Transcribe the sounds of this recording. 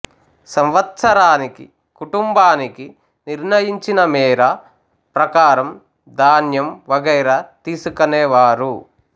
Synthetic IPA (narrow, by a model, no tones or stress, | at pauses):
sɐmʋɐt̪sɐɾaːniki | kuʈumbaːniki | niɾnɐjiɲt͡ʃinɐmiːɾɐ | pɾɐkaːɾɐm | d̪aːnjɐmʋɐɡɐjɾɐt̪iːsukɐnɛːʋaːɾu